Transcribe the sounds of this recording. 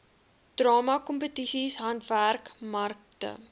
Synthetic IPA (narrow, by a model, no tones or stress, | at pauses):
d̥rɑːmɐkɔmpətisisɦɐntværkmɐrk̚tə̰